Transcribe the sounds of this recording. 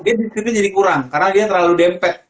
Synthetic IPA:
diadist̪ip̪ud͡ʒadikuɾaŋkaɾənadiat̪ərlaludɛmpɛt̪

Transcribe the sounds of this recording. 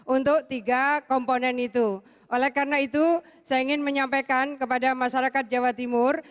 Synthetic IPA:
ʔunt̪ʊk̚t̪iɡakɔmponɛnit̪u | ʔolɛhkarənait̪u | sajaiŋɪnməɲampakankəpadamaʃaɾakat̪̚d͡ʒawat̪imʊr

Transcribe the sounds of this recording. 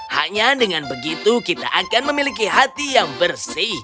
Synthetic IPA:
ha̰ɲadəŋanbəɡit̪ukit̪a̰ʔakanməmilik̬iɦat̪ijaŋbərsih

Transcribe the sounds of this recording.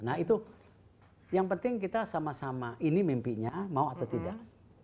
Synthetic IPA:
nahit̪u | jaŋpənt̪ɪŋkit̪asamasamaʔinimimpiɲamauat̪awt̪ida̰ʔ

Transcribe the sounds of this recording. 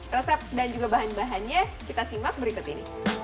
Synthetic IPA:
rəsɛp̚dand͡ʒuɡabaɦanbaɦanɲakit̪asimak̚bəɾikʊt̪inḭ

